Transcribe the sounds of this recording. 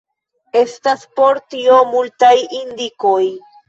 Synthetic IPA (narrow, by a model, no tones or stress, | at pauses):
e̞staspo̞ɾtiomultajind̪iko̞j